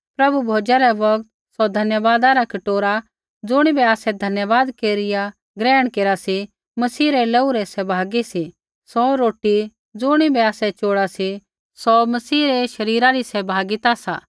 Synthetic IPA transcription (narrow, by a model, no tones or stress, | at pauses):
pɾɐbubʱoːd͡ʒaɾɛʋɐɡt̪̚ | sɔd̪ʱɐnjəʋaːd̪aɾakɐʈoːɾa | d͡zʊɽ̃ibɛaːsɛd̪ʱɐnjəʋaːd̪keːɾɪja | ɡɾɛːəɽ̃keːɾasi | mɐsiːɾɛleːuɾɛsɛbʱaːɡisi | sɔɾoːʈi | d͡zʊɽ̃ibɛaːsɛt͡ʃoːɽasi | sɔmɐsiːɾɛʃɐɾiːɾaɾisɛbʱaːɡɪt̪asa̰ː